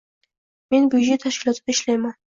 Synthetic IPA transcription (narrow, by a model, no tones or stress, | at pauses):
me̞nbud͡ʒet̪ʰaʃkʲɪlˠɒt̪ʰɪd̪aɪʃlajman